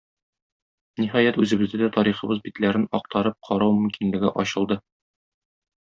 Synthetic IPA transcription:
niɦɒjæt̪ʉzɘ̆bɘ̆zd̪ɘd̪æt̪ɒɾiχɤ̆bɤzbit̪læɾɘnɒq̚t̪ɑɾɤp̚qʰɒɾɑwmɵ̆mkinlɘ̆ɡɘʔɒɕɤ̆lˠd̪ɤ

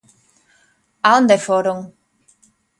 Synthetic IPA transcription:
aond̪efoɾoŋ

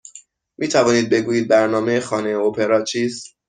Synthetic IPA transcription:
miːt̪ʰævɒːniːd̪̚be̞ɡuːjiːd̪̚bæɾnɒːme̞jexɒːne̞jopʰeɾɒːt͡ʃʰiːst̪

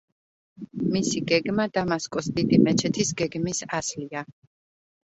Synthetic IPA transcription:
misiɡɛɡmad̪amaskʼɔsd̪id̪imɛt͡ʃʰɛt̪ʰisɡɛɡmisaslia

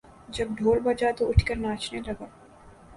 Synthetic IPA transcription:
d͡ʒɐb̚ɖʱoːlbɐd͡ʒat̪oʊʈʰkəɾnaːt͡ʃnelɐɡaː

